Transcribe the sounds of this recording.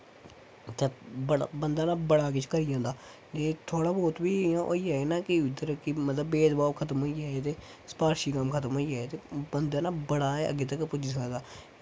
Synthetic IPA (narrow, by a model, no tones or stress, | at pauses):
t̪əbəɽbənd̪aːnaːbəɽaːk̬ɪt͡ʃʰkəɾijãːnd̪aː | d͡ʒeːt̪ʰoːɽaːboːt̪biːãːʔo̰ːiːɛːeːnaːkɪɪd̪əɾkimət̪ləbːeːd̪baːkʰət̪əmɦoːiːɛːet̪eː | sə̥paːɾʃiːkəmkʰət̪əmɦoːiːɛːet̪eːbənd̪aːnaːbəɽaːɛːə̰ɡeːt̪̬əkːpʊd͡ʒiːsəkaːd̪aː